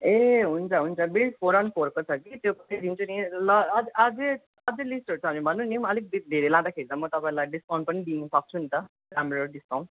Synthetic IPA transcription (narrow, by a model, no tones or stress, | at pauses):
eɦunt͡sʰʌɦunt͡sʰʌbiɭʈpʰoɾʌnpoɾkot͡sʰʌkit̪jopt̪id̪int͡sʰunilʌd͡zad͡ze | ʌd͡zelisʈoɾut͡sʰʌnibʱʌnːũnimʌlik̚dd̪ʱeɾelãd̪akʰeɾit͡sʌmʌt̪ʌpãĩlajɖiskaw̃npʌnid̪inusʌk̚t͡sʰunit̪ʌ | kamɾaɾuɖiskaw̃n